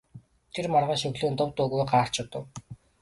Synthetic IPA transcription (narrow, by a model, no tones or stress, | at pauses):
t̪ʰermɔrʁaːʃɵwɮuːnt̪ʊwt̪ʊɣujɢaːr̥t͡ɕʊt̪ə̆w